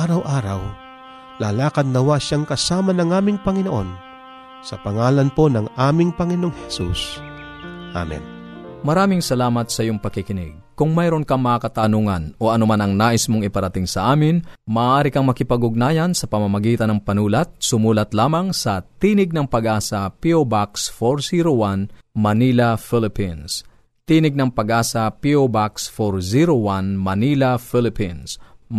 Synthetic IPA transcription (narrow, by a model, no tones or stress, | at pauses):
aɾɐwʔaːɾɐw | lalaːkɐd̪̚nɐwaʃaŋkɐsaːmɐnɐŋaːmɪŋpɐŋɪnoʔo̞̰n | sɐpɐŋaːlanponɐŋaːmɪŋpɐŋɪnooŋhɛsṵs | ʔa̰mɛ̰n | mɐɾaːmɪŋsɐlaːmɐt̪sɐʔɪjoŋpɐkɪkɪnɪ̰ɡ̚kʊŋmajɾonkɐŋmɐakɐt̪anuːŋɐ̰nʔo̞ʔɐnʊmanɐŋnaːʔɪsmoŋɪpɐɾɐt̪ɪŋsɐʔaːmɪnmɐːʔaːɾɪkɐŋmɐkɪpɐɡʊɡ̚naːjɐnsɐpɐmɐmɐɡiːt̪ɐnɐŋpɐnuːlɐt̪̚sʊmuːlɐt̪laːmɐŋsɐt̪iːnɪɡ̚nɐŋpɐɡʔaːsɐpiobaksfoɾsiɾowan | mɐnilɐfɪlɪpins | t̪iːnɪɡ̚nɐŋpɐɡʔaːsɐpiobaksfoɹziɾowanmɐnilɐfɪlɪpins